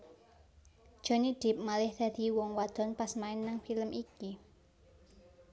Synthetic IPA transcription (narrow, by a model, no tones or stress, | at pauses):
d̥ʒ̥ɔ̤nid̪̥i̤p̚malɪhd̪̥ä̤d̪̥i̤wɔŋwad̪̥ɔ̤npasmaɪnːaŋfiləmʔiki